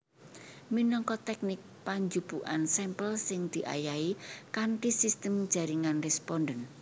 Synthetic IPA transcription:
minɔŋkɔt̪ɛk̚nɪk̚paɲd͡ʒub̥uʔansɛmpəlsɪŋd̪̥i̤ʔa̰jaikaɳʈisist̪əmd̥ʒ̥a̤ɾiŋanrɛspɔndən

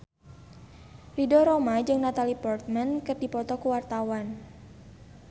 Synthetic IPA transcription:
ridɔɾomad͡ʒɨŋnat̪alipɔrt̪̚mankərdipɔt̪ɔkuwart̪awan

